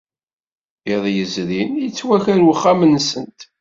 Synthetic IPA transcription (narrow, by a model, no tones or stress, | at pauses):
eðˤjəzɾinjət͡sːwæçæɾwəχːamənsənt̪